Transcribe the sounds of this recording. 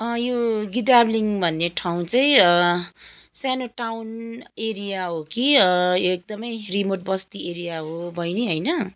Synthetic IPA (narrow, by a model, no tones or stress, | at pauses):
ʌjoɡidabliŋbʱʌnːeʈʰawũt͡sʌĩʌ | sjanoʈawneɾijaɦokiʌjoek̚d̪ʌmʌjrimoʈ̚bʌst̪ieɾijaɦobʱʌjniɦʌjnʌ